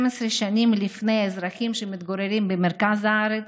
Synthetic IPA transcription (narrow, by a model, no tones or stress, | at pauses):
mesɾeʃanimlifnejaezɾaχimʃemit̪ɡoɾeɾimbemeɾkazaaɾet͡s